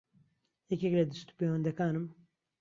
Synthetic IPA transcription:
jɛkʲɛklɛd̪ɨst̪u̥pejwɐnd̪ɐkaːnɨm

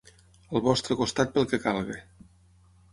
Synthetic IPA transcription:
əlˠβɔst̪ɾəkost̪at̪̚pəlˠkekalˠɣe

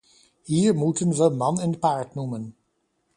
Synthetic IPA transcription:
hiːɹmutənʋəmɑnɪndəpaːɹtnumən

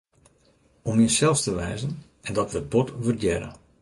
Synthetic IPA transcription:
ɔmjəsɛlˠstəʋɛːzən | ɛndɔtʋəbɔtʋərdɛɾə̰

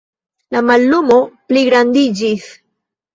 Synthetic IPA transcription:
lamalːumo̞pliɡɾand̪id͡ʒis

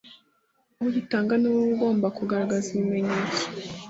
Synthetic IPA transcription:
aβuɟitaːŋɡanewowuɡo̞ːmbakuɡaɾaɡaziβime̞ɲeːt͡so̥

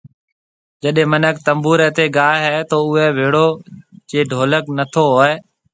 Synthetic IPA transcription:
d͡ʒəɗẽːmənəkt̪əmbuːɾɛːt̪eːɡaːɦɦɛːt̪oːʊɦɛːʋeːɽoːd͡ʒeːɖʱoːləknət̪ʰoːɦoːɛː

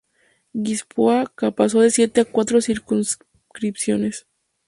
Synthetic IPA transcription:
ɡispoakapaso̞ðe̞sje̞t̪e̞akwat̪ɾo̞siɾkuns | kɾipsjo̞ne̞s

